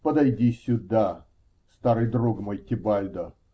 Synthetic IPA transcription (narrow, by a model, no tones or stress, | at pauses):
pəd̪ɐjdʲisʲʊd̪a | st̪aɾɨjd̪ɾuɡmojtʲɪbajʲd̪ə